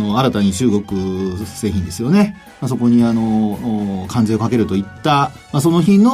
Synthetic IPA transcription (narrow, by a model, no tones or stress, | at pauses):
o̞aɾat̪aɲ̟it͡ɕɨːɡo̞kɯ̟se̞ːçʲĩnd̪e̞sɨjo̞ne̞ | masoko̞ɲ̟iano̞ | kʰãnd͡zeokake̞ɾɯ̟t̪o̞it̪ːa | mas̬o̞no̞çĩno